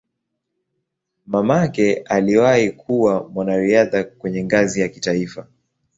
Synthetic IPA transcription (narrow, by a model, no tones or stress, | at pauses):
mamakɛʔaliwahikuwamwanaɾiaðakwɛɲɛŋɡazijakitaifa